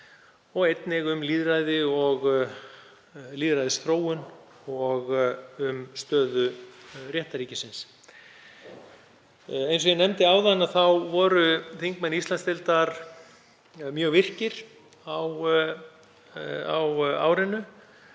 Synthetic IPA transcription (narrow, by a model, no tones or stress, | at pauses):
ɔɣejt̪nɪɣʏmliːðɾajðɪɔɣ | liːðɾajðɪsθɾoːwʏn | ɔɣʏmst̪œːðʏrjɛht̪aɾiːcɪsɪns | ejns̬ɔjɛnɛmt̪ɪaːwðanːaθawvɔɾʏθiŋkmɛnːist̪anst̪ɛlt̪aɾ | mjœːɣvɪr̥cɪɾ̥ | aw | a̰wa̰ːwɾɪnːʏ